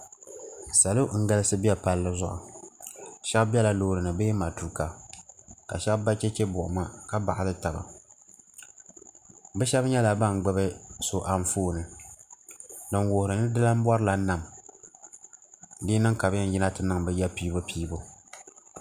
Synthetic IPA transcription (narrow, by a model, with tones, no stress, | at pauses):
sa˨lo˦ŋ̩˦ɡa˦lɨ˦sɨ˦bi˦ɛ˦pa˦lːɨ˦zʊ˦ʔʊ̰˨ | ʃɛ˦bbɛ˦la˨lo˦ɾɨ˨nɨ˨beː˦ma˨tu˨ɾka˨ | ka̰˨ʃɛ˦bba˦t͡ʃɛ˦t͡ʃɛ˦bʊ˨ʔʊ̰˨ma˦ka˦ba̰˨ʔa˨lɨ˦ta˨ba̰˨ | bɨ˦ʃɛ˦bɲɛ˦la˨ba˦ŋ˨ɡ͡bɨ˦bɨ˦so˨ʔa˨m˨foː˦nɨ˨ | dɨ˨ŋwo˨hʊ˨ɾɨ˨nɨ˦dɨ˦la˦m˦bɔ˦ɾɨ˦la˨˦na˨m | dɨː˦nɨ˦ŋka˨bɛ˦n˦jɪ˦na˦tɨ˨nɨ˦ŋbɨ˦jɛ˦piː˦bɨ˦pʰiː˦bo˦